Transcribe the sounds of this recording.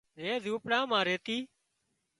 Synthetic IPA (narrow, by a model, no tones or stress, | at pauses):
eːzuːpɽãːmãːɾeːt̪iː